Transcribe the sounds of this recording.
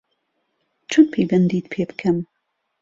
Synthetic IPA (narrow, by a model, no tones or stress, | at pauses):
t͡ʃʰʊnpʰejbɐnd̪iːt̪pʰeːbɨkʰɐm